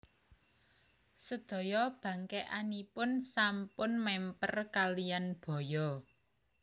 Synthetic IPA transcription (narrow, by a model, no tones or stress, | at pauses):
səd̪̥ɔ̤jɔb̥ä̤ŋkɛʔanipʊnsampʊnmɛmpərkalijanb̥ɔ̤jɔ